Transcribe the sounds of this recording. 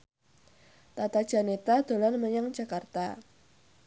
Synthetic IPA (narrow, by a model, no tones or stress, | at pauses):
t̪at̪ḁʒ̥a̤net̪ad̪̥o̤lanməɲaŋd͡ʒakart̪a̰